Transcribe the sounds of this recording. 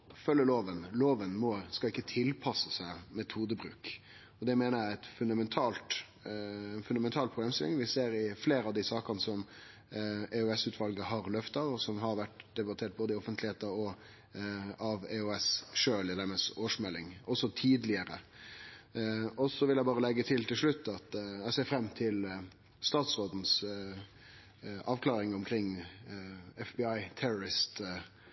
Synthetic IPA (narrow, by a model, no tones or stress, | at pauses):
fœlːəloːʋənloːʋənmɔskɑɪkːət̪ʰɪlpʰɑsəsæɪmɛt̪huːd̪əbɾʉ̰ːk | ɔd̪ɛmeːnəɾjææt̪fʉnd̪ɑmɛnt̪ʰɑːlt̪ː | nfʉnɑmɛnt̪ʰɑːlpʰɾʊbleːmst̪ɪlɪŋʋɪseːɾɪfleːɾəɑʋd̪ɪsɑːkɑnəsɔm | ɛʉɛsʉːt̪ʰʋɑlɡəɦɑɾlœft̪ɑʋɔsɔmɦɑɾʋæʈd̪̥ɛbɑt̪ʰeːʈ̚boːd̪əɪɔfənt̪ʰlɪheːt̪əɾɔ | ʔɑʋɛʉɛsʂøːlɪd̪æməsoːʂmɛlːɪŋʔɔsːɔt̪ʰiːd̪lɪəɾə̰ | ɔsɔʋɪljæɪbɑːʁəlɛɡːət̪ʰɪlt̪ʰɪlʂɭʉt̪ːɑt̪æɪseːɾfɾɛmːt̪ʰɪl | st̪ɑːt̪sɾoːd̪n̩s | ɑːʋkʰlɑːɾɪŋʊmkʰɾɪŋː | ɛfbɪɑɪt̪ʰɛɾʊɾɪst̪